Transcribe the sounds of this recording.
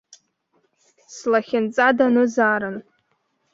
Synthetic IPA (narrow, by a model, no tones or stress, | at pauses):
slaχʲɪnt͡sʼadanɨzaːɾɨn